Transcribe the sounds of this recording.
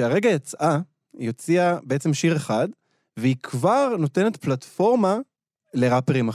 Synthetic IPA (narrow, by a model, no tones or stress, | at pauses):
ʃeaʁe̞ɡajot͡sʔa | jot͡siabeet͡se̞mʃiʁeχad | veikvaʁno̞te̞ne̞tplatfo̞ʁma | le̞ʁapeʁima